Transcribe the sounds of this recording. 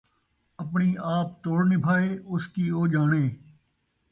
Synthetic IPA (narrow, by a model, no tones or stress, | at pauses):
əpɳiːʔaːp̚t̪oːɽnɪpʰaːeːʊskiːoːd͡ʒaːɳeː